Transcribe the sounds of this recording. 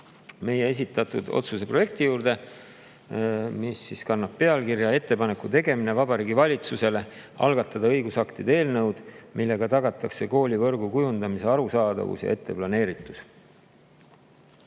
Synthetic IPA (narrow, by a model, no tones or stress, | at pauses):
me̞jee̞s̬it̪ːˑɑt̪ːˑud̪̥o̞̰t̪suse̞pro̞je̞k̚t̪ijuːɾd̪̥e̞ | misːiskɑnːɑb̥̚pe̞ɑlkiɾjɑe̞t̪ːe̞pɑnekut̪e̞ɡe̞mine̞vɑbɑɾiːɡivɑlʲit̪suse̞le̞ | ɑ̰lɡ̥ɑt̪ːˑɑd̪ɑɤ̞jɡ̥usɑkt̪id̪ee̞ːlnɤwd̪̥mʔilːe̞ɡ̥ɑt̪ɑɡɑt̪ːˑɑkse̞ko̞ːlʲivɤ̞rɡ̥ukujund̪ɑmise̞ɑɾusɑːd̪̥ɑ̰vṵsjɑ̰e̞t̪ːe̞plɑne̞ːɾit̪ːˑu̥s